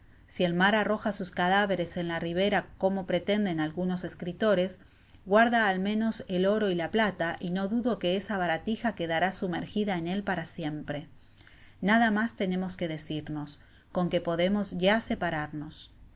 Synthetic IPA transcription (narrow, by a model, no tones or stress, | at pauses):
sie̞lmaɾaro̞xasuskaðaβe̞ɾe̞se̞nlariβ̞e̞ɾakomo̞pɾe̞t̪e̞nd̪e̞nalɣuno̞se̞skɾit̪o̞ɾe̞s | ɣwaɾðaːlmẽ̞no̞selo̞ɾo̞ilaplat̪aʔino̞ðuðo̞ke̞esaβaɾat̪ixake̞ðaɾasume̞ɾxiðaene̞lpaɾasje̞mpɾe̞ | naðamast̪e̞ne̞mo̞ske̞ðe̞siɾno̞s | ko̞ŋke̞po̞ðe̞mo̞zʝase̞paɾaɾno̞s